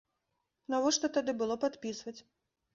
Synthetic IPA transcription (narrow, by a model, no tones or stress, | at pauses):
navɔʂt̪ɔt̪ad̪ɨbɨlˠɔpat̪pʲisvɐt͡sʲ